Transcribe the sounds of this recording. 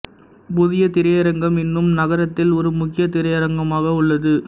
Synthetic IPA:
pʊðɪjɐt̪ɪɾɐjɐɾɐŋɡɐmɪnːɯmnɐɣɐɾɐt̪ːɪlɔɾɯmʊkːɪjɐt̪ɪɾɐjɐɾɐŋɡɐmaːɣɐʊɭːɐðɯ

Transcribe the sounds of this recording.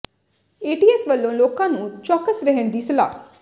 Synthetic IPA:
eːʈiːɛːsʋəlːõːloːkãːnũːt͡ʃɔːkəsɾəɦəɳd̪iːsəla̰ː

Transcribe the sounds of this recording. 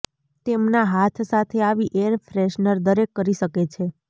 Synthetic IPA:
t̪emnaɦat̪ʰsat̪ʰeaʋiʔeəɾfɾeʃnəɾd̪əɾekːəɾiʃəket͡ʃʰe

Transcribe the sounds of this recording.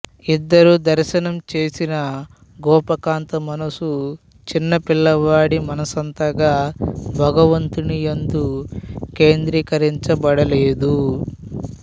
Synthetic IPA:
id̪ːɐɾud̪ɐɾʃɐnɐmt͡ʃe̞ːsinɐ | ɡɔːpɐkaːnt̪ɐmɐnɐsu | t͡ʃinːɐpilːɐʋaːɽimɐnɐsɐnt̪ɐɡaːbʱɐɡɐʋɐnt̪unijɐnd̪uke̞ːnd̪ɾiːkɐɾiɲt͡ʃɐbɐɽɐleːd̪u

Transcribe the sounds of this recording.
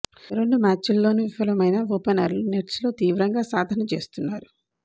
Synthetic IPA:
ɾe̞ɳɖumaːt͡ʃulːo̞ːnuʋifɐlɐmɐjnɐʋoːpenɐ̰ɾluneʈslo̞ːt̪iːʋɾɐŋɡaːsaːd̪ʱɐnɐt͡ʃe̞ːst̪unːaːɾu

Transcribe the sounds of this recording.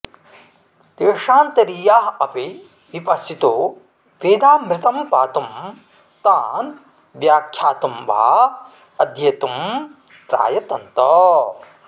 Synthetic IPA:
d̪eːʂaːnt̪ɐɾijaːɦɐpi | ʋipɐsit̪oː | ʋeːd̪aːmɾɪt̪ɐmpaːt̪um | t̪aːn | ʋjaːkʰjaːt̪umʋa̰a̰ | ɐd̪ʱjeːt̪um | pɾa̰ːjɐt̪ɐnt̪ɐ

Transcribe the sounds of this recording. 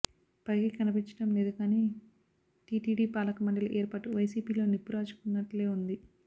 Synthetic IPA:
pɐɾɡikɐnɐpiɲt͡ʃɐ̥ʈɐmleːd̪ukaːniː | ʈiːʈiːɖiːpaːlɐkɐmɐɳɖɐluʔeːɾpɐʈuʋɐjsiːpiːlo̞ːnipːuɾaːt͡ʃu̥kunːɐʈle̞ːund̪i

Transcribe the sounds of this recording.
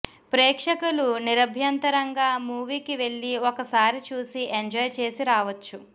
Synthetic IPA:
pɾɛːkʂɐkuluniɾɐbʱjɐnt̪ɐɾɐŋɡaːmuːʋiːkiʋe̞ɭːiɔkɐsaːɾit͡ʃuːsiʔeɲd͡ʒɔːjt͡ʃe̞ːsiɾaːʋɐt͡ʃːu

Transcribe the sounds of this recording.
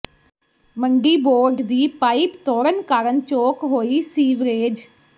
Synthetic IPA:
məŋɡiːboːɾɖd̪iːpaːiːpt̪oːɾənkaːɾənt͡ʃoːkɦoːiːsiːʋɾeːd͡ʒ

